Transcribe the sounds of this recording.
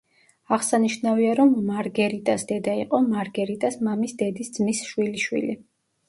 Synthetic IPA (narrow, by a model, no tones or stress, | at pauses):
aʁsaniʃnaviaɾɔmːaɾɡɛɾit̪ʼasd̪ɛd̪aiqʼɔmaɾɡɛɾit̪ʼasmamisd̪ɛd̪isd̪zmisʃwiliʃwḭli